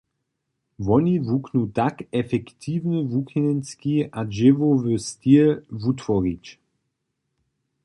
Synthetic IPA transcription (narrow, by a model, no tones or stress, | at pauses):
vɔnivuknutakɛfɛkt̪ʰiːvnəvukʰinɛnskiaʒɪvovəstilvutvɔʁit͡ʃ